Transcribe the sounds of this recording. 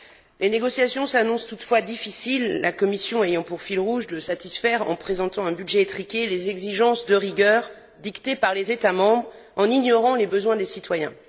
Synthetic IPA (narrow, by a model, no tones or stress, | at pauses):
leneɡɔsjasjɔ̃sanɔ̃st̪ut̪fwad̪ifisilːa̰kɔmisjɔ̃ejɑ̃puʁfilʁuʒd̪əsat̪isfɛʁɑ̰̃pχezɑ̃t̪ɑ̃ɛ̃byd̪ʒɛet̪χikʲelezɛɡziʒɑ̃sd̪əʁiɡʲœʁ | d̪ikt̪epaʁlezet̪amɑ̃bʁ | ɑ̃niɲɔʁɑ̃lebəzwɛ̃d̪esit̪wajɛ̃